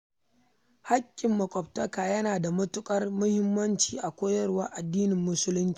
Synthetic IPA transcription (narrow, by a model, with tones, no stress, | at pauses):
ha˦kʲʼːɪ˨mːɐ˨kʷʼɔ˨b̚tɐ˦kaː˨jɐ˦naː˨da˨mɐ˦tʊ˦kʼɐ˦rmʊ˦hɪ˦mːɐ˦nt͡ʃiː˨ʔa˨kʷoː˦jɐ˦rwa˦ʔa˨dːiː˦nɪ˨mːʊ˦sʊ˦lʊ˦nt͡ʃi̥ː˦˨